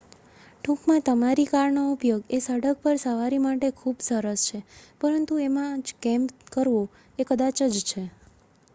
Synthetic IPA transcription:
ʈʰũkmãt̪əmaɾikaɾɳoupjoɡesəɽək̚pəɾsəʋaɾimaʈekʰubsəɾəst͡ʃʰepəɾənt̪uemãd͡ʒkɛmpkəɾʋo | ekəd̪at͡ʃəd͡ʒt͡ʃʰe

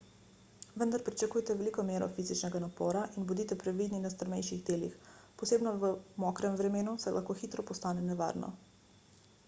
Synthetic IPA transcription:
ʋənd̪aɾpɾit͡ʃakujt̪ɛʋɛliːkɔmjeːɾɔ̰fiːzit͡ʃnɛɡanapɔ̰ːɾaʔinbɔd̪it̪ɛpɾɛʋiːd̪ninast̪əɾmɛjʃiɣd̪eːlḭxpɔseːbnɔʋəmɔkɾɛmʋɾɛmeːnusɛjlʔa̰xkoxiːt̪ɾɔpɔst̪aːnɛnɛʋa̰ːɾnɔ̰

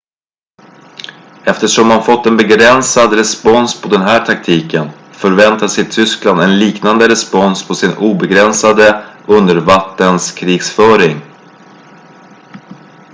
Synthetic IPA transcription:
ɛft̪əʂɔmhanfɔt̪ːɛnbɛɡɾɛnsad̪ɾɛspɔnspʰɔd̪ɛnɦæːʈʰak̚t̪ʰiːkən | fœɾvɛnt̪asɪt̪ʰʏskland̪ɛnliːknand̪əɾɛspɔnspʰɔsɪnuːbɛɡɾɛnsad̪əʔɵnd̪əɾvat̪ːənskʰɾiːɡsfœːɾɪŋ

